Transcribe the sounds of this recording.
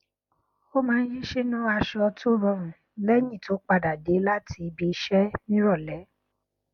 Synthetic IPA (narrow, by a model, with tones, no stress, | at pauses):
o˦mãː˨˦˧n̩˦ji˦ʃe˦nũ˦a˧ʃɔ˧to˦ɾɔ̃˦mũ˨ | lɛ˦ɲĩ˦˨to˨˦k͡pa˧da˨de˨˦la˦ti˧bi˧˦ʃɛ˦nĩ˦ɾɔ˦˨lɛ˨˦